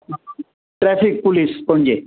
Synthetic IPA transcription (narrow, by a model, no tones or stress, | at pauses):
ʈɾɛpʰik̚pulispɔnd͡ʑe